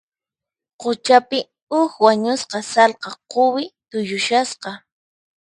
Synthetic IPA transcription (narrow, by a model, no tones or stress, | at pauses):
qot͡ʃapɪ | ʊxwaɲʊsqɑsɑlqɑqowɪt̪ʊjʊʃasqɑ